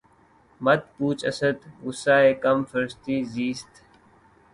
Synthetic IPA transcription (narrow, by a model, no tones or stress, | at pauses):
mɐd̪̚puːt͡ʃɐsəd̪ɡʊsaːeːkɐmfɐɾst̪iːziːst̪